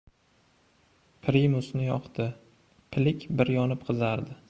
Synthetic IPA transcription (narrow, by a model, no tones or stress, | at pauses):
pʰɾimʊsnɪjɒqt̪ɪ | pʰɪlɪkʲbɪɾjɒnɪp̚qʰɨzaɾd̪ɪ